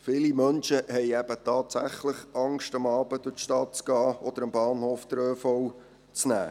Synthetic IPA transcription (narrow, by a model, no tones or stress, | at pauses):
fɪlimœnʃəhɛɪæb̥ətɑːt̪sæχləχɑŋʃtɑmɑːb̥əd̥̪ʊtʃtɑt̚t͡skɑːɔd̪əɾəmbɑːnhoːfd̥̪əɾøːfɔw | t͡snæ̰ː